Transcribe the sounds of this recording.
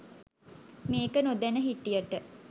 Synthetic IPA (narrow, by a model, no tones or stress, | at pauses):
meːkənud̪ænəɦiʈːijəʈə